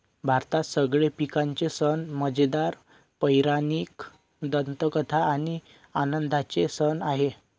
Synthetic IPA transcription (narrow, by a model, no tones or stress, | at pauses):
bʱaɾt̪asəɡɭepikaɲt͡sesənməd͡ʑd̪aɾ | pəjɾaniːk | d̪ənt̪əkət̪ʰaːɽ̃i | anənd̪at͡sesənaɦe